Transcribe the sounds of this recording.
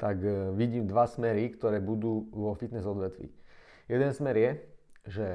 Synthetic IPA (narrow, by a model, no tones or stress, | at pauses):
t̪aɡʋiɟiːmd̪ʋasmɛɾikt̪ɔɾɛːbud̪uːʋɔfit̪nɛzɔd̪ʋɛt̪ʋḭː | jɛd̪ɛnsmɛɾjɛʒɛ